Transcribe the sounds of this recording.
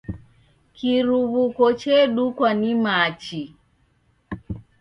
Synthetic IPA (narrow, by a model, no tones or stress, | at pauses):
kiɾuβukɔt͡ʃɛɗukwanimat͡ʃi